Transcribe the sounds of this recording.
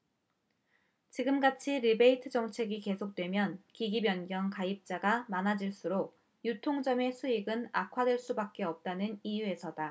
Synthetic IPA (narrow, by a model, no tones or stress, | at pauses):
t͡ɕiɡɯmɡat͡ɕʰiɾibe̞itʰɯd͡ʑʌŋt͡ɕʰe̞ɡike̞sʰok̚t͈we̞mjʌnkiɡibjʌnɡjʌŋkaip̚t͡ɕ͈aɡamanɦad͡ʑiɭs͈uɾok | jutʰoŋd͡ʑʌme̞sʰuiɡɯna̰kʰwadwe̞ɭs͈ubak̚k͈e̞ʌp̚t͈anɯnijue̞sʰʌda